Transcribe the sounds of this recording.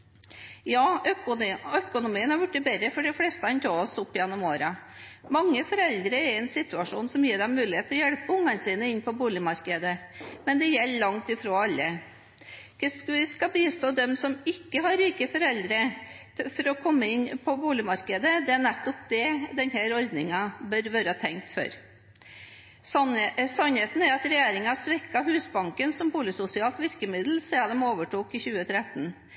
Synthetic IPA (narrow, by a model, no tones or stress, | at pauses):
jɑː | œkʊnʊmiːənhɑɾjʊʈːɪbɛɾəfɔɖɪfleːst̪əhɑnt̪ʰoːɔsʊpːɪjɛnːɔmoːɾɑ | mɑŋːəfɔɾɛld̪ɾəæɾɛnsɪt̪ʉɑʂuːnsɔmjiːɖɛmmʉːlɪeːt̪ːɔjɛɽpəʊŋːɑnsiːnəɪnːpʰɔbuːlɪmɑɾkəd̪əmɛnd̪ɛjɛlːəlɑŋt̪ɪfɾoːɑlːə | ksʋɪskɑbiːst̪oːd̪ɛmsɔmɪkːəɦɑɾiːkəfɔɾɛld̪ɾə | fɔɾɔkʰɔmːəɪnːpʰɔbuːlɪmɑɾkəd̪əd̪ɛæɳæt̪ːɔp̚d̪ɛd̪ɛnhæɾɔɾd̪nɪŋɑbœɾʋøːɾəhɑt̪ʰɛŋk̚t̪fɔ̰ɾ | sɔnheːt̪n̩æɾɑt̪ɾɛjeːɾɪŋɑsʋɛkːɑhʉːsbɑŋkənsɔmbuːlɪəsʊsɪɑːlt̪ʋɪɾkəmɪd̪l̩sɛːɑd̪ɛmoːʋəʈʰuːkɪçʉːət̪ʰɾɛt̪ːn̩